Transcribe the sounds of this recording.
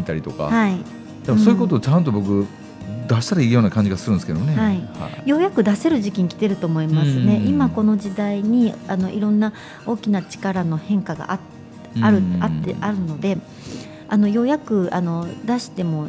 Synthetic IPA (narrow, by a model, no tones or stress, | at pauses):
it̪aɾʲit̪o̞ka̰hai | d̪̥emsoːiɯko̞t̪̬o̞ːt͡ɕãnt̪̬o̞bo̞k̬ɯ̟ | d̪aɕi̥t̪aɾaiːjo̞ːnakãɲd͡ʑiɡasɨɾɯ̃nesked̪onehaiha̰jo̞jakɯ̟d̪ase̞ɾɯ̟ʑikʲiɲ̟ikʲi̥t̪e̞ɾɯ̟t̪o̞ːmo̞imasɨne̞ʔimako̞no̞d͡ʑid̪aiɲ̟iano̞ʔiɾõ̞nːa | o̞ːkʲinat͡ɕi̥kaɾano̞hẽ̞ŋkaɡa̰ʔt | aɾɯ̟at̪ːe̞̰ʔaɾɯ̟no̞d̪e̞ | ano̞jo̞jakɯ̟ano̞d̪aɕi̥t̪e̞mo̞